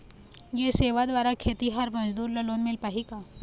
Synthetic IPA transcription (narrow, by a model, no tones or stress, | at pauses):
jeseːʋad̪ʋaːɾakʰeːt̪iɦɐɾmɐd͡ʒd̪uːɾlɐloːnmɪlpaːɦikaː